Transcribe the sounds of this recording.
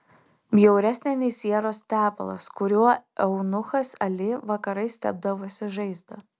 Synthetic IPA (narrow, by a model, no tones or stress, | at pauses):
bʲjɛʊɾʲɛsʲnʲɛnʲɪsʲiɛɾoːst̪ʲæːpɐ̰lˠɐ̰skʊɾʲuɔɛʊnʊxɐsɐlʲɪʋɐkɐɾɐɪsʲt̪ʲɛ̰b̚d̪ɐʋoːsʲɪʒɐɪzd̪ɐ